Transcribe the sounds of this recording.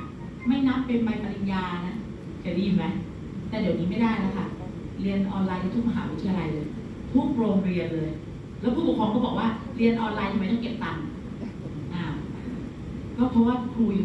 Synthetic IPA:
ma˥˩jna˦˥pːe˧nma˧jpa˧li˧njaː˧na˦˥ | kʰa˨˧˩liː˥˩ma˦˥j | t̪ɛː˨˩di˩˦wniː˦˥ma˥˩jdaː˥˩jna˦˥kʰa˥˩ | ɾi˧ənʔɔː˧nlaː˧jna˧t̪ʰu˥˩əkma˧ɦa̰ː˩˦wi˦˥t̪ʰi˧a˧la˧jlɤː˧j | t̪ʰuː˥˩pɾoː˧mɾi˧ənlɤː˧j | lɛː˦˥wpʰuː˥˩u˨˩˦kʰɔː˧kɔː˥˩bɔː˨˩k̚waː˥˩ɾi˧ənʔɔː˧nlaː˧jt̪ʰa˧m˧˦t̪ɔ˥˩ŋke˨˩p̚t̪a˨˩n˨ | ʔaː˨˩ | kɔː˥˩pʰɾɔ˦˥waː˥˩kʰɾuː˧

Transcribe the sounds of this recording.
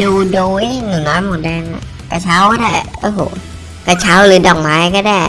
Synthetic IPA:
duː˧doː˧˩jnɯ˨˩nɔː˦˧˥nmo˨˩t̪̚dɛː˧na̰˨˩ | kaː˧˩t͡ɕʰaː˦˥wkaː˥˩daː˧˥˩ʔoː˧˩hoː˨˩˦ | kaː˧˩t͡ɕʰaː˦˥wlɯː˨˦dɔː˨˩k̚maː˦˥jkɔː˥˩daː˧˩j

